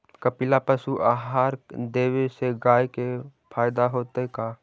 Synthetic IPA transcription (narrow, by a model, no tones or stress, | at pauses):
kəpɪlapəsuʔaːɦaːɾd̪eːweseɡaːjkepʰaːjɪd̪aɦoːt̪ekaː